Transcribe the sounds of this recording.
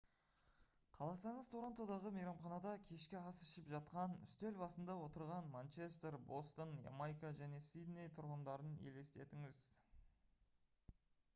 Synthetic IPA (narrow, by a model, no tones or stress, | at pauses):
qʰɑlˠɑsɑɴəzt̪ʰoɾont̪od̪ɑʁəmejɾɑmχɑnɑd̪ɑkʲʰe̞ʃkʲɪɑsɪ̥ʃɪpʒɑt̪̚qɑnʏst̪e̞lbɑsənd̪ɑwo̞t̪əɾʁɑnmant͡ʃe̞st̪eɾbo̞st̪onjḛmajkaʒæne̞sijd̪ne̞jt̪ʰʊɾʁənd̪ɑɾənḛle̞st̪e̞t̪ɪŋɪz